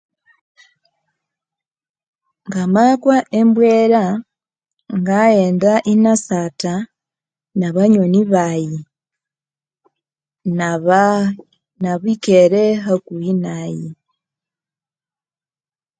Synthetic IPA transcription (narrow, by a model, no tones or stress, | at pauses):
ŋɡamakwaʔembweɾa | ŋɡajeːndaʔinasata | naβaɲoniβaji | nβ | naβwikeɾeɦakuinaji